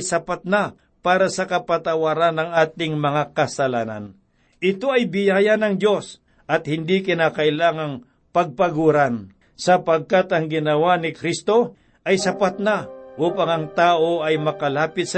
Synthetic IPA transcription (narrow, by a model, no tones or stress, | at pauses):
sɐpat̪̚na | paːɾasɐkɐpɐt̪ɐwaːɾanːɐŋaːt̪ɪŋmɐŋakɐsɐlaːna̰n | ʔɪt̪o̞ɐjbɪjaːjɐnɐŋd̪jo̞s | ʔɐt̪̚hɪnd̪ikɪnaːkɐʔɪlaːŋɐŋ | pɐɡ̚pɐɡuːɾan | sɐpɐɡ̚kat̪ɐŋɡɪnɐwanɪkɾist̪o̞ | ʔɐjsɐpat̪̚naʔuːpɐŋɐŋt̪aːʔoʔɐjmɐkɐlaːpɪt̪̚sɐ